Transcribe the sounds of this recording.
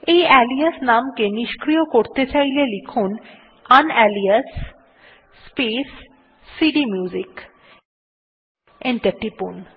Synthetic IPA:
ejɛliasnamkeniʃkɾijokoɾt̪et͡ɕajlelikʰun | anɛliasː | pesː | iɖimjuːd͡ʑik | eɳʈeɾʈipun

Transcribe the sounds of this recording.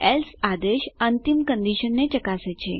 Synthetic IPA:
elsad̪eʃənt̪imkə̃nd̪iʃənːet͡ʃəkaset͡ʃʰe

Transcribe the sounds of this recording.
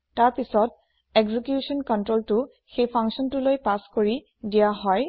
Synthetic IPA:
taɹpisɔt̚ | eɡzikjusɔnkɔntɹoltʊ | xejpʰaŋksɔntʊlojpaskoɹi | dijaɦɔj

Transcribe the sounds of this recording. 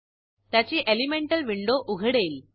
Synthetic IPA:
t̪ɐt͡ɕːiʔelimeɳʈɐlʋiɳɖoːʔʊɣɐɽeːl

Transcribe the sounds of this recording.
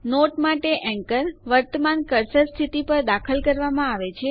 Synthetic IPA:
noʈmaʈeʔɛ̃ŋkəɾʋəɾt̪əmankəɾsəɾst̪ʰit̪ipəɾd̪akʰəlkəɾʋamãaʋet͡ʃʰe

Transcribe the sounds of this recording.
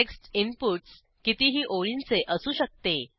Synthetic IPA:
eksʈimpuʈs | kit̪iːɦiːʔoɭint͡seʔəsuːɕək̚t̪e

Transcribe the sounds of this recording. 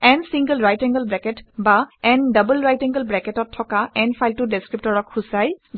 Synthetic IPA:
ɛnsiŋɡəlɹajtɛŋɡəlbɹɛkɛtbaɛndəbəlɹajtɛ̃ŋɡəlbɹɛkɛtɔtʰːɔkaɛnpʰajltʊdɛskɹip̚tɔɹɔkxusaj

